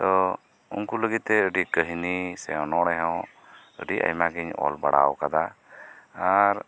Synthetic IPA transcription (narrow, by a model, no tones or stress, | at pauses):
t̪ɔ | ṵnkuləɡit̪̚ːɛəɖikəɦinisɛɔnɔɽɛɦɔw | əɖiʔa̰jmaɡiɲɔ̰lbaɽa̰wkad̪a | aɾ